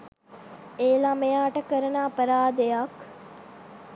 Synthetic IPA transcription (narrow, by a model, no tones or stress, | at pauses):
eːlamejaːʈəkəɾɐnaːpəɾaːd̪ejɐk